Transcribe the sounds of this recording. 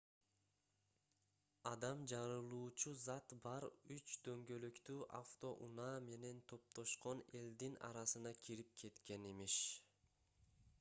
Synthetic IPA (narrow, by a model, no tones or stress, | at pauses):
ɑd̪ɑmd͡ʒɑɾɯlˠuːt͡ʃuzɑt̪bɑɾyt͡ʃd̪ø̞ŋɡø̞løkt̪yːʔa̰ft̪o̞ʔunɑːme̞ne̞nt̪ʰo̞p̚t̪o̞ʃqo̞ne̞ld̪inɑ̰ɾɑsɯnɑkʰiɾip̚kʰe̞t̪ke̞nimiʃ